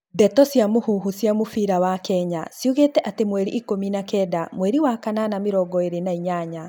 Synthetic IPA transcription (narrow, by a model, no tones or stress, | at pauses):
dɛtɔsjamohuɦusjamofiɾawakɛɲasjuɣeːtɛʔatemwɛɾḭʔikominakɛdamwɛɾiwakananameɾɔɡɔeɾenaiɲaɲa